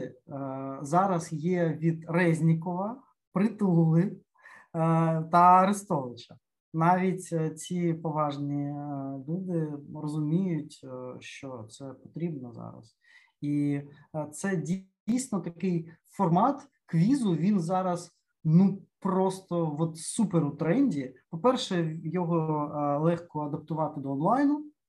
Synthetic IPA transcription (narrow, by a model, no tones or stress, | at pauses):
zɑɾɐzjɛʋʲid̪ɾɛzʲnʲɪkɔʋɐ | pɾɪt̪ɪlˠʊɪ | t̪ɐɐɾɪst̪ɔlˠɪt͡ʃɐ | nɑʋʲitʲt͡sʲipɔʋɑʒnʲilʲud̪ɪrɔzʊmʲijʊtʲʃt͡ʃɔt̪sɛpɔ̥t̪ɾʲibnɔzɑ̰ɾɐ̰s | i | t̪sɛdʲ | ijsʲnɔt̪ɐkɪjfɔrmɑt̪ | kʋʲizʊʋʲinzɑɾɐz | nupɾɔst̪ɔʋɔt̪supeɾʊt̪ɾɛnʲdʲipɔpɛrʃɛjɔɦɔlˠɛxkɔɐd̪ɐp̚t̪ʊʋɑt̪ɪd̪ɔːnlˠɑjnʊ